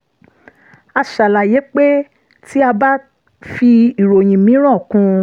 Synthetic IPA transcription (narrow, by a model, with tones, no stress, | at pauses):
a˧ʃa˨la˨je˨˦k͡pe˦ | ti˦a˧ba˦ | fi˧i˨ɾo˨j̃ĩ˨mĩ˨˦ɾ̃ɔ̃˦˨kũ˧˦